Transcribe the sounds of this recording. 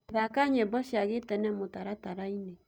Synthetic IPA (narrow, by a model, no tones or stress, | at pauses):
ðakaɲɛbɔʃiaɣetɛnɛmotaɾataɾaine